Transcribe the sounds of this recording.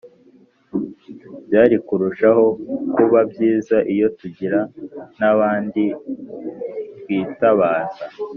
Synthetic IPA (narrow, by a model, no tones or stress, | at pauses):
bjaːɾikuɾuʃaho̞kuβabjiːzaʔijo̞tuɟiɾanaβaːndi | wiːtaβaːza